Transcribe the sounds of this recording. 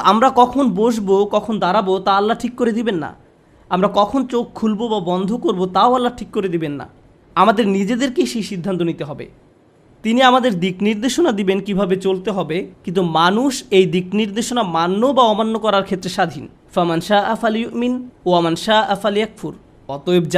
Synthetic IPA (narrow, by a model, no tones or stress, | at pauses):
amɾakɔkʰonboʃ̬bokɔkʰond̪aɾabot̪aalːaʈʰikːoɾed̪ibenːa̰ | amɾakɔkʰont͡ɕokʰulbobabɔnd̪ʱokoɾbot̪aoalːaɾʈʰikːoɾed̪ibenːa̰ | amad̪eɾnid͡ʑed̪eɾkeʃiʃid̪ʱːant̪onit̪eɦɔbḛ | t̪iniamad̪eɾd̪ikniɾd̪eʃonad̪ibenkibʱabet͡ɕolt̪eɦɔbekint̪umanuʃejd̪ikniɾd̪eʃonamanːobaɔmanːokɔɾaɾkʰet̪ːɾeʃad̪ʱin | famanʃaːʔafaljuʔminoamanʃaːʔafaljakfuɾ | ɔt̪oebd͡ʑa